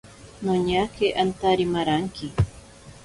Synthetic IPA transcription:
noɲakeʔant̪aɾimaɾaŋkɪ

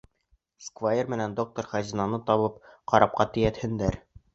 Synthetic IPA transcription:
skvajermɘ̆nænd̪ok̚t̪oɾχæzinɑnɤt̪ɒβɤp̚qɒɾʔɑp̚qɑt̪ɘ̆jæt̪hɘ̆nd̪æɾ

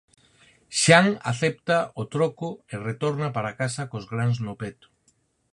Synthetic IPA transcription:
ʃaŋa̰θɛp̚t̪aʊt̪ɾokʊeret̪ɔɾnapaɾakasɐkozɣɾaŋznopɛt̪ʊ̥

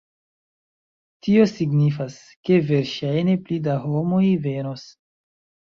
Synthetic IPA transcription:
tio̞siɡnifas | ke̞ve̞ɾʃajne̞plidaɦomo̞jveno̞s

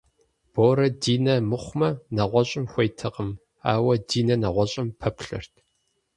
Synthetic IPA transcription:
b̥oːɾɐdiːnɐmɨχʷmɐnɐʁʷɔɕʼɪmxʷɐjtʰɐqəm | a̰ːwɐdiːnɐnɐʁʷɔɕʼɪmpʰɐpɬɨ̰rtʰ

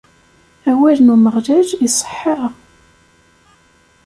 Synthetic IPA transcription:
æwælnuməʁlæʒisˤə̥ħːəʁ

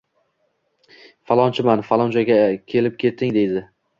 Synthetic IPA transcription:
falˠɒnt͡ʃʰɪmanfalˠɒnt͡ʃʰaɡʲakʲʰe̞lɪp̚kʲe̞t̪ʰːɪŋd̪e̞jd̪ɪ

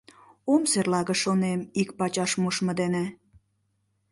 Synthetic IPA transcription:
omserlɑɣə̆ʃonemik̚pɑt͡ɕɑʃmuʃmə̆d̪ene

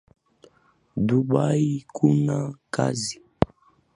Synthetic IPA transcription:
duɓaikunaka̰zi

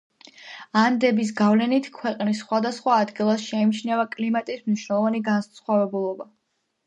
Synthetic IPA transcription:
and̪ɛbis̬ɡavlɛnit̪ʰkʰwɛqʼnisːχwad̪asχwaːd̪ɡilˠasʃɛimt͡ʃʰnɛvakʼlimat̪ʼismniʃwnɛlˠɔvaniɡansχwavɛbulˠɔba

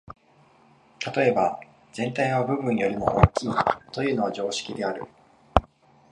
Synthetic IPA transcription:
t̪at̪o̞e̞ba | z̥ẽ̞nt̪aiβ̞abɯ̟bɯ̟̃ɲ̟ːijo̞ɾʲimo̞̰ʔoːkʲiːt̪o̞jɯ̟ːno̞βaʑo̞ːɕi̥kʲid̪e̞aɾɯ̟̰

